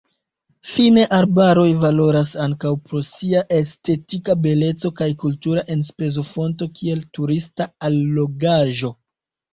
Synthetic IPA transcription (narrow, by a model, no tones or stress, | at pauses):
fine̞ʔaɾbaɾo̞jvalo̞ɾasaŋkawpɾo̞siaʔe̞ste̞tikabe̞le̞t͡so̞kajkultuɾaʔe̞nspe̞zo̞fo̞nto̞kie̞ltuɾistaalːo̞ɡaʒo̞